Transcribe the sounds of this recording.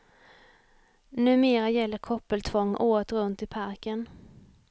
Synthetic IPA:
nʉ̟ːmeːɾajɛlːəɾkʰɔpːəlt̪ʰvɔŋːʔoːt̪ɾɵnt̪ɪpʰaɾkən

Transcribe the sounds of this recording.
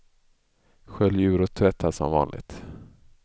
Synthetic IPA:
ɧœljʉ̟ːɾɔt̪ʰːvɛt̪ʰːasɔ̰mvɑ̰ːnlʔɪ̰ɡt̪

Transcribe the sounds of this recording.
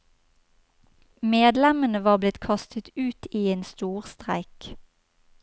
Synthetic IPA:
meːd̪lɛmənəʋɑːʁblɪt̪kʰɑst̪ʰət̪ʉːt̪iːeːnst̪uːʁst̪ʁæ̰ɪk

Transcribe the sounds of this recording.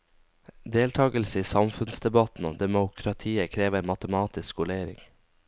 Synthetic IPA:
d̪eːlt̪ʰɑːɡəlsəiːsɑmfʉnsd̪ɛbɑt̪n̩o̰ːd̪ɛmʊkʰɾɑt̪ʰiːəkʰɾeːʋəɾmɑt̪əmɑːt̪ɪskʋʊleːɾɪ̰ŋ

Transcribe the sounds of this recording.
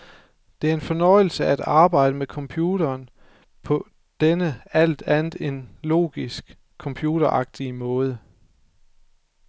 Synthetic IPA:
d̥e̝æɐe̝nfɒ̽nɒ̽ɪ̰l̩səææd̥ɑ̈ːb̥ɑ̈ɪ̰d̥əmekʰɒ̽mpʰjuːɾ̥ɐːn | pʰɒ̽ | d̥enəæl̰d̥ænð̩ˠe̝nlo̝̰ːɡ̥isɡ̥ | kʰːɒ̽mpʰjuːɾ̥ɐʔɑ̈ɡ̥̚d̥imɔ̽ːð̞ˠə

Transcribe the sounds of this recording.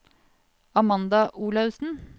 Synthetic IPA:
ɑmɑnd̪ɑʔuːlɑʉsn̩

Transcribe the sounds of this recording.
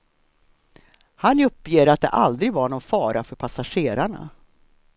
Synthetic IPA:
hanɵpːjeːɾat̪̚d̪ɛ̰ʔald̪ɾɪɡvaɾɳɔnfɑːɾafœɾpʰasaɧeːɾaɳa̰

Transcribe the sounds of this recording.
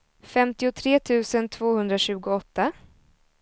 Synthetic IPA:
fɛmt̪ɪʊt̪ʰɾeːt̪ʰʉ̟ːsənt̪ʰv̥oːhɵnd̪ɾaɕʉ̟ːɡʊɔt̪ːa

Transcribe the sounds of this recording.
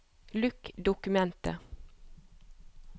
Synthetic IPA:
lʉkd̪ʊkʉmɛnt̪ə̰

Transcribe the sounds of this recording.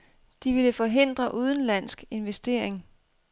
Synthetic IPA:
d̥iʋiləfɒ̽ɦe̝n̰d̥ʁɐʔuð̞ˠn̩læn̰sɡ̥e̝nʋesd̥e̝ɐ̰eŋ

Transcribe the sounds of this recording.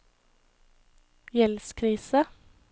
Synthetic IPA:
jɛlskʰɾiːsə

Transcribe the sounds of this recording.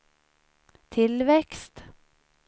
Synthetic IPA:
t̪ʰɪlvɛkst̪

